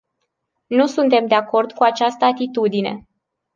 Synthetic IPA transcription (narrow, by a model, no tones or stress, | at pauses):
nusunt̪e̞md̪eako̞rd̪kuat͡ʃast̪əat̪it̪ud̪ine̞̰